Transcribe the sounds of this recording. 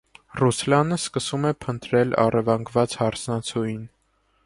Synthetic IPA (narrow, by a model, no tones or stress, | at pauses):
ruslɑnəskəsumɛpʰənt̪ɾɛlɑ̰rɛvɑŋɡvɑt͡shɑɾt͡sʰnɑt͡sʰujin